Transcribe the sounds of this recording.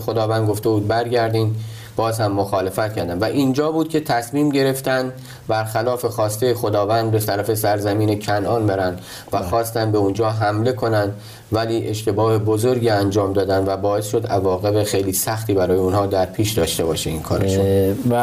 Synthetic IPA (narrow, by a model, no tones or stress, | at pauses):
xod̪ɒːvænd̪ɡo̞ft̪e̞buːd̪̚bæɾɟæɾd̪iːn | b̥ɒːzhæmːoxɒːle̞fæt̪̚kʰʲæɾd̪ænvæʔind͡ʒɒːbuːd̪̚cʰʲe̞t̪ʰæsmiːmɟe̞ɾe̞ft̪ænd̪ | bæɾxælɒːfe̞xɒːst̪e̞jexod̪ɒːvænd̪̚best̪æɾæfe̞sæɾzæmiːnecʰænʔɒːnbeɾænd̪ | væxɒːst̪ænd̪be̞und͡ʒɒːɦæmle̞kʰo̞nænd̪ | væliːʔe̞ʃt̪e̞bɒːhe̞bo̞zoɾɟiːænd͡ʒɒːmd̪ɒːd̪ænd̪væbɒːe̞sʃo̞d̪ævɒːɣe̞bexe̞jliːsæxt̪iːbæɾɒːjeunhɒːd̪æɾpʰiːʃd̪ɒːʃt̪e̞bɒːʃeinkʰɒːɾeʃu